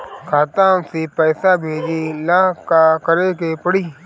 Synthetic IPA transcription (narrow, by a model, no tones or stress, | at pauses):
kʰaːt̪aːmsepɛːsabʱeːd͡ʒilãːɦkakəɾekepəɽiː